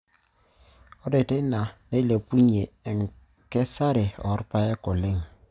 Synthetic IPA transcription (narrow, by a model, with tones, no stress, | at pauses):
ɔ˦de˨te˦na˨ne˦le˨pu˦ɲe˨ŋ̩˨ | kɛ˦sa˦ɾe˨ɔ̰˨˦ɾpa˦jɛ˦kʊ˨lɪ˦˨ŋ